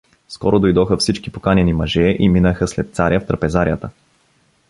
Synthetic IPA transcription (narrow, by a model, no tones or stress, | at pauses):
skɔɾod̪ojd̪ɔxəfsit͡ʃkipokanɛnimɐʒɛʔiminəxəslɛt̪̚t̪saɾʲjəft̪ɾɐpɛzaɾʲijət̪ə